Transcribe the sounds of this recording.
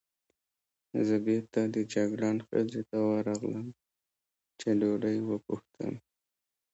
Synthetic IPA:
zəbeɾt̪ad̪əd͡ʒaɡɽɑnxə̰lɾet̪awɑɾɑɣləm | t͡ʃeloɽəjwəpuxt̪ə̰m

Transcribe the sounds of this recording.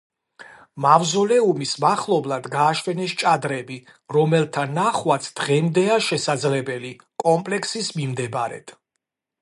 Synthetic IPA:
mavzɔlɛumismaχlˠɔblˠad̪ɡaːʃwɛnɛst͡ʃʼad̪ɾɛbi | ɾɔmɛlt̪ʰanaχwat̪sʰd̪̥ʁɛmd̪ɛaʃɛsad̪zlɛbɛli | kʼɔmpʼlɛkʰsismimd̪ɛbɾɛ̰d̪̥ʰ

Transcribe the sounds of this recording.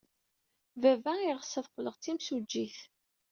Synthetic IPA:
vævæiʁəsəðqləʁt͡s̪ːimsud͡ʒːiθ

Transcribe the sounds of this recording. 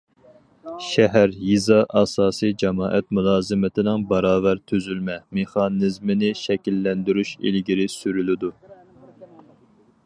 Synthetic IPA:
ʃɛɦæɾjizɑʔɑsɑːsɨjd͡ʒɛmɑːʔɛt̪mulˠɑːzɨmɪt̪ʰɪnɪŋbɑɾɑːvæɾt̪ʰyzylmɛmeχɑnɨzmɪnɪʃɛkʲilːɛnd̪yɾyʃḭlɡʲiɾɪsyɾylɪd̪u

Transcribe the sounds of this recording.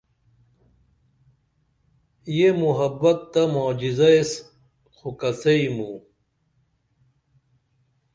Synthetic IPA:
jemuɦɐbɐt̪ːɐmoːd͡ʑizɐes | xukɐseimu

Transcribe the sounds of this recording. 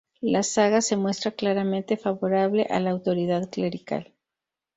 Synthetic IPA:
lasaɣase̞mwe̞st̪ɾaklaɾamẽnt̪e̞faβo̞ɾaβle̞̰ʔa̰laːwt̪o̞ɾið̞aðkle̞ɾika̰l

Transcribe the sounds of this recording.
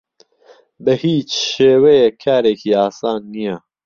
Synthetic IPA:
bəhiːt͡ʃʃeːwejekʰaːɾeːkʰiːaːsɑːnːija

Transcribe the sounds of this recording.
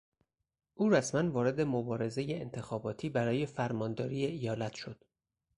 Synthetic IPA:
ʔuːɾæsmænvɒːɾed̪e̞mobɒːɾe̞ze̞jeːnt̪ʰe̞xɒːbɒːt̪ʰiːbæɾɒːje̞fæɾmɒːnd̪ɒːɾiːeijɒːlæt̪ʰʃo̞d̪̥

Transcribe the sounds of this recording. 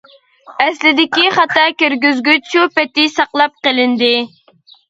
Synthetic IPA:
ɛslɪd̪ɪkʲiχɑt̪ɑkʲøɾɡʲyzɡʲyt͡ʃʰupɛt̪ɪsɑqlˠɑp̚qəlˠɪnd̪ɪ

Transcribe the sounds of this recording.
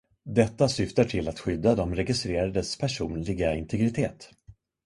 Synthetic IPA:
d̪ɛt̪ːasʏft̪aʈʰɪlːat̪ɧʏd̪ːad̪ɔmɾɛɡɪst̪ɾeːɾad̪əspʰæʂuːnlɪɡaɪnt̪ʰɛɡɾɪt̪ʰeːt̪

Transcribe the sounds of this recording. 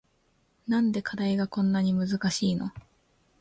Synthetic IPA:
nãnd̪e̞kʰad̪aiɡakõ̞nːaɲ̟imɯ̟zɨkaɕiːno̞̰

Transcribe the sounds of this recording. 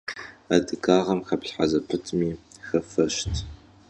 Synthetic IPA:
adɨkʰaːʁɐmxɐpɬħazɐpʰɨtʰmiːxɐfɐʃtʰ

